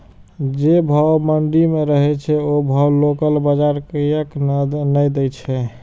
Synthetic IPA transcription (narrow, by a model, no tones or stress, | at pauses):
d͡ʒebʱəwməɳɖimeɾəɦɛt͡ʃʰɛobʱəwlokəlbəd͡ʒaɾkijək̪nəjd̪ɛt͡ʃʰɛ